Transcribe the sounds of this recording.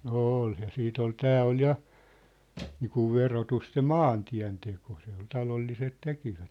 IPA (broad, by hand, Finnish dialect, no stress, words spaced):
nŏ oːl jɑ siːt ol tæː ol jɑ niːkuʋ ʋerotust se mɑːntiæ̝nteko se ol tɑlolːiset tekiʋæt